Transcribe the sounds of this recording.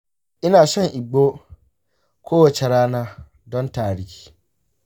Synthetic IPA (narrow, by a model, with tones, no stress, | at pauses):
ʔɪ˦naː˨sɐ˦ŋʔɪ˨ɡ͡boː˦ | kʷʰoː˦wɐ˨t͡ʃɛ˨ɽaː˦naː˦ | dɔ˦ntaː˨ɽɪ˦hʲi̥ː˦